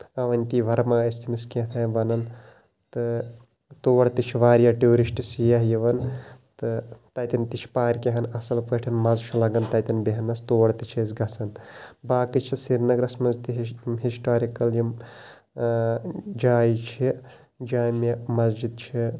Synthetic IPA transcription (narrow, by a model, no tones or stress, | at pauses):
ɐʋɐnʲt̪iːʋɐɾmaːɐst̪ʰimiskẽːt̪ʰɐːbɐnɐn | t̪ɨ | t̪oːʋɐɽt̪it͡ʃʰiʋaːɾjaːʈuːɾisʈsijɐɦjiʋɐnt̪ɨt̪ɐt̪int̪it͡ʃʰpaːɾʲkeɦɐnɐsɐlpɐʈʰɐnmɐzt͡ʃʰulɐɡɐnt̪ɐt̪ɐnbiɦɐnɐst̪oːʋɐɽt̪it͡ʃʰesɡɐsɐnbaːkɨt͡ʃʰisiɾnɐɡɾɐsmɐnzt̪iɦɦisʈaːɾikɐljim | d͡ʒaːjit͡ʃʰi | d͡ʒaːmemɐzd͡ʒid̪̚t͡ʃʰi